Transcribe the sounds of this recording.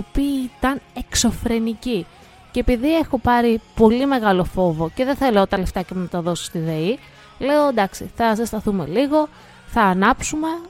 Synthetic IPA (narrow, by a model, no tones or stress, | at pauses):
opiːit̪ɐne̞kso̞fɾe̞nici | cːpiðie̞xo̞pɐɾipo̞lime̞ɣɐlo̞fo̞vo̞ce̞ðenθɐleot̪ɐle̞ft̪ɐcenɐt̪ɐðo̞so̥st̪iðe̞i | le̞od̪ɐksiθɐsest̪ɐθume̞̰liɣo̞ | θɐːnɐpsume̞